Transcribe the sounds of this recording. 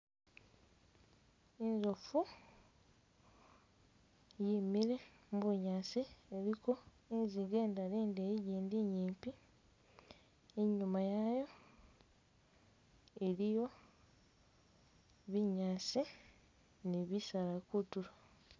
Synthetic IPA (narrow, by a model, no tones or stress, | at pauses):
inzofu | jimiɾe̞ | muβuɲaːsieɾiko̞ | inziɡe̞ːndaliːndejiɟiːndiɲiːmpi | eɲumajajo̞ | e̞ɾijo̞ | βiɲaːsi | niβisalakutula